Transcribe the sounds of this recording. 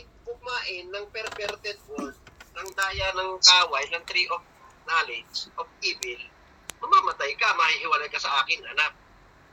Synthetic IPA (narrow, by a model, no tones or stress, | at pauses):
kʊmaːʔɪnːɐŋpɛɾpɛɾt̪ɛt̪̚fold̪̚nɐŋd̪aːjɐnɐŋkaːwɐjnɐŋt̪ɾiʔof | naːlɛd͡ʒʔofʔiːbɪl | mɐmaːmɐt̪ajkɐmɐhihɪwɐlajkɐsɐʔaːkɪŋʔɐ̰nak̚